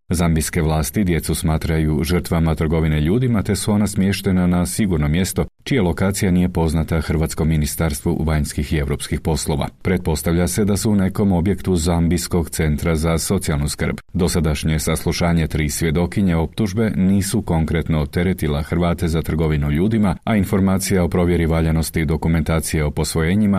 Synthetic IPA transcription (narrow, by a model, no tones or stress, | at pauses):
zambiske̞ʋlˠaːst̪id̪je̞t̪susmaːt̪ɾajuʒər̩t̪ʋamat̪ɾr̩ɡo̞ʋineʎuːd̪imat̪e̞suo̞nasmje̞ʃt̪e̞nanasiɡuɾno̞mje̞st̪o̞t͡ʃijalo̞kaːt̪sijaniːje̞po̞znat̪axr̩ʋaːt̪sko̞mːinist̪aɾst̪ʋṵʋaɲskixie̞vɾo̞pskixpo̞slˠo̞ʋa̰pɾet̪̚po̞st̪aʋʎase̞d̪asuune̞ko̞mo̞bje̞kt̪uzambisko̞ɡt̪se̞nt̪ɾazaso̞t̪sialˠnuskr̩bd̪o̞sad̪aʃɲe̞saslˠuʃaːɲe̞t̪ɾiːsʋje̞d̪o̞kiɲeo̞pt̪uʒbe̞niːsuko̞ŋkɾe̞t̪no̞t̪e̞ɾe̞t̪ilaxɾʋaːt̪e̞zat̪r̩ɡo̞ʋinuʎuːd̪imaainfo̞ɾmaːt̪sijao̞pɾo̞ʋje̞ɾiʋaʎano̞st̪id̪o̞kume̞nt̪aːt̪sijeo̞po̞sʋo̞jeːɲima